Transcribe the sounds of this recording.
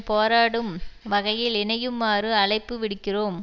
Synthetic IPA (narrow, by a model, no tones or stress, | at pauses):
poːɾaːɽɯmʋɐɣɐjɪlɪnɐjɯmːaːrɯɐɭɐɪpːɯʋɪɽɯkːɪroːm